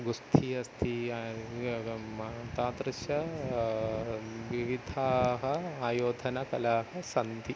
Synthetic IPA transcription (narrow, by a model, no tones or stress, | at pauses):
ɡust̪ʰiɐst̪ʰi | t̪aːt̪ɾɪʃjɐ | ʋiʋid̪ʱaːɦɐaːjoːd̪ʱɐnɐkɐlaːɦɐsɐnd̪ʱi